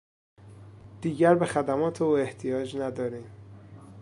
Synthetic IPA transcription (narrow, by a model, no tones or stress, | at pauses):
d̪̥iːɟæɾbe̞xæd̪æmɒːt̪ʰeuːe̞ht̪ʰijɒːd͡ʒnæd̪ɒːɾiːm